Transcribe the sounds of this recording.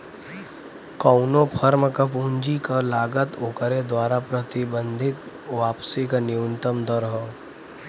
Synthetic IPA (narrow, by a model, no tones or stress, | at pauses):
kəʊnõpʰəɾməkapuːɲd͡ʒikalaːɡət̪oːkəɾed̪waːɾapɾət̪ɪbə̃nd̪ʱɪt̪ | ʋaːpsikanɪunt̪əmd̪əɾɦoː